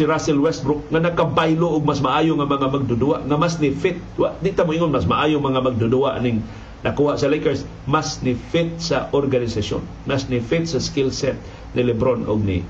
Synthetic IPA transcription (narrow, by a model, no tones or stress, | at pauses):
ɪɾasɛlwɛst̪̚bɾʊk̚ŋanakabajloʔʊɡ̚masmaʔaːjʊŋamaŋamaɡ̚d̪ʊd̪uaʔŋamasnɪfɪt̪̚waʔd̪it̪amʊʔiŋonmasmaʔaːjʊŋmaŋamaɡ̚d̪ʊduaʔnɪŋ | nakuːhaʔsalejkɛɹs | masnɪfɪt̪̚saʔoɾɡanɪsaso̰n | masnɪfɪt̪̚saskɪlsɛt̪̚ | nɪlɛbɾonʊ̰ɡ̚nɪ̰